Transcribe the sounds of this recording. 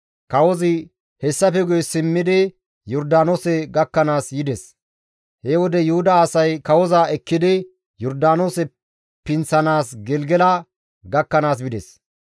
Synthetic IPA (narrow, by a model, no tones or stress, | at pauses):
kɐwɔzɪ | hɛsːɐfɛɡɔjsɪmːɪd̪ɪ | jɔɾd̪aːnoːsɛɡɐkːɐnaːsjɪd̪ɛs | hewɔd̪ɛjʊhʊd̪ɐaːsɐjkɐwɔzaɛkːɪd̪ɪ | jɔɾd̪aːnoːsɛ | pɪnt͡sːɐnaːsɡɛlɡɛlɐ | ɡɐkːɐnaːs̬bɪd̪ɛs